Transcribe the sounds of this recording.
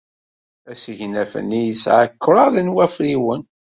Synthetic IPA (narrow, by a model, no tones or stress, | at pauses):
æsəʝnæfə̰nijəsʕəkʰːɾˤɑðənwæfɾiwən